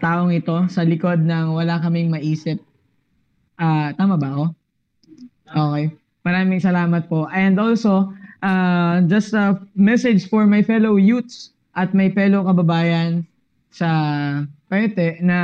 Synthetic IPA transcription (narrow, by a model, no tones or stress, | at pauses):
t̪aːʔoŋɪt̪o̞sɐlɪko̞d̪̚nɐŋwɐlakɐmɪŋmɐʔiːsɪp̚ | ʔaːt̪aːmɐbɐɐko̞ | ʔoːkɛj | mɐɾaːmɪŋsɐlaːmɐt̪̚po̞ʔɛnd̪ʔo̞lso̞ʔad͡ʒɐst̪ɐmɛsɛd͡ʒfɔɹmɐjfɛlowjut̪̚s | ʔɐt̪̚mɐjpɛlokɐbɐbaːjɐn | sɐ | pɛt̪ɛnɐ